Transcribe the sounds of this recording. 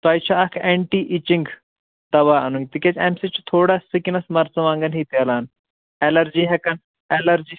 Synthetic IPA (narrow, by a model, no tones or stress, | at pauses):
t̪aːjt͡ʃʰaɐkʰeɳʈiːʔit͡ʃiŋɡ | d̪ɐʋaɐnuŋɡ̚t̪ikʲet͡sɛmsit͡ʃu̥t̪ʰoːɽasikinɐsmɐɾt͡sɐʋãːŋɡɐnɦit̪alaːn | elɐɾd͡ʒiːɦɛkɐn | elɐɾd͡ʒiː